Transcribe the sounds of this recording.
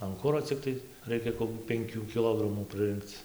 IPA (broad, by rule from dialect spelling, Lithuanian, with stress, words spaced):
ɐn ˈkʊroː t͡sʲɪkˈtɐɪ ˈrɐɪkʲɛ koːkʲuː pʲɛŋʲˈkʲuː kʲɪˈlˠoːɡrɐmuː prɨˈrɨŋkt͡s